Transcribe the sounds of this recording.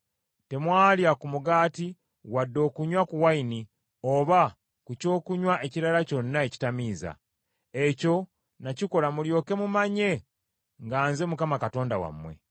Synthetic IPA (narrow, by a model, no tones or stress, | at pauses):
te̞mwaːljakumuɡaːti | wadːo̞ːkuɲwakuwaini | o̞βa | kuco̞ːkuɲwaʔe̞ciɾalaco̞nːaeci̥tamiːza̰ | eco̞ | naciko̞lamuljo̞ːke̞mumaɲe̞ | ŋɡaːnze̞mukamakato̞ːndawa̰mwe̞̰